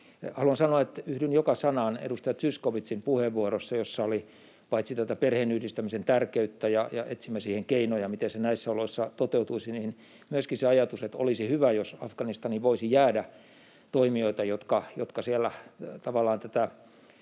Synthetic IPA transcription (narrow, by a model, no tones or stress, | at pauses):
hɑluɑnsɑnoɑet̪yhdynjokɑsɑnɑnḛdust̪ɑjɑt̪syskoʋit̪sinpuheʋʋuorosːɑjosːɑoli | pɑit̪sit̪æt̪æperheːnyhdist̪æmisent̪ærkeyt̪ːæjɑjɑ̰et̪simːæsiːheŋkeinojɑmit̪ensenæisːæoloisːɑt̪ot̪eut̪uisiniːn | myøskiseɑjɑt̪uset̪o̰lisihyʋæjosɑfkɑnist̪ɑniʋoisijæːdæ | t̪oimioit̪ɑjot̪kɑjo̰t̪kɑsielːæt̪ɑʋɑlːˑɑːnt̪æt̪æ